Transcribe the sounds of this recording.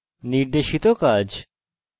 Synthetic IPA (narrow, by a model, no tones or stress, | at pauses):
niɾd̪eʃit̪okad͡ʑ